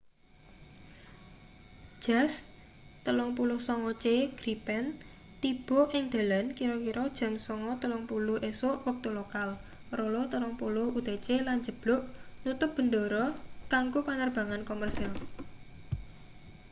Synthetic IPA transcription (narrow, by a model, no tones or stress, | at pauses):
d͡ʒ̥as | t̪əlɔŋp̬ulʊhsɔŋɔt͡ʃeɡ̥ɾipɛn | t̪ib̥ɔ̤ʔɪŋd̪̥a̤lankiɾɔkiɾɔd̥ʒ̥a̤msɔŋɔt̪əlɔŋpulʊhʔesoʔwɔk̚t̪olokal | rolɔt̪əlɔŋpulʊhut̪et͡ʃeland͡ʒə̤b̥lʊʔnut̪ʊp̚b̥ə̤ndoɾɔkaŋɡopanərb̥a̤ŋankomərsal